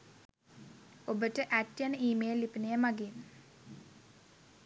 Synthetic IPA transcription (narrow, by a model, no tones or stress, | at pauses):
obəʈəʔæʈjanəiːmejəlːipənejəmaɡin